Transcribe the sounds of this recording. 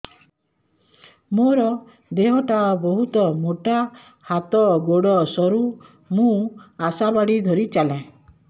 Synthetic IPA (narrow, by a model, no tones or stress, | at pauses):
moɾɔ | d̪eɦɔʈʰabɔɦut̪ɔmoʈa | hat̪ɔɡoɽɔsɔɾu | mũasabaɽid̪ʱɔɾit͡ʃalã